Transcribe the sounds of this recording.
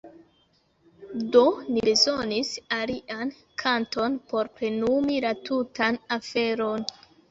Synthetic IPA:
do̞nibezo̞nisaliʔan | kʰanto̞npo̞ɾpɾe̞numilatutanafe̞ɾo̞n

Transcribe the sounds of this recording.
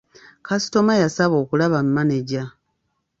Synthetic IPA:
kasi̥to̞majasaβo̞ːkulaβammːaneɟa

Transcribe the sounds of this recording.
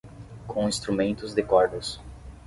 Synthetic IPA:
kʰõĩst̪ɾumẽnt̪ʊzd̪ɪkɔɾd̪ʊs

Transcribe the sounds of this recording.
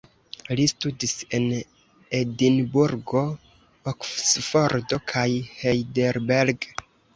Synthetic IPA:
listudise̞n | edinbuɾɡo̞ | oksfo̞ɾdo̞kʰajhejdeɾbeɾɡ

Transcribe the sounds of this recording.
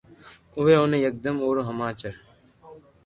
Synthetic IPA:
ʊʋeːoːnejɐk̚d̪əmoːɾoːɦɐmaːt͡ʃəɾ

